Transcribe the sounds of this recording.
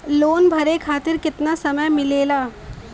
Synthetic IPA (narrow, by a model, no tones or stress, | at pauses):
loːnbʱɐɾekʰaːt̪ɪɾkɪt̪nasɐməjmɪleːlaː